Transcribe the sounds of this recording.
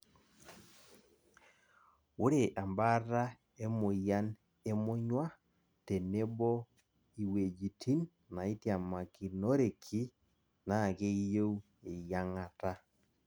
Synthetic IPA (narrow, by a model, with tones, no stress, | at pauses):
o˦ɾe˨ʔa˨mba˦ɾa˦ | e˦mʊ˨ja˦n | e˦mʊ˦ɲwa˦ | te˨ne˦bɔ˦ | i˨we˨d͡ʒi˨tʰi˦nː | a˨i˦tja˨ma˨ki˨no˦ɾe˨kʰi˦ | na˦˨ke˦je˦w | e˨ja˦ŋa˨ta˦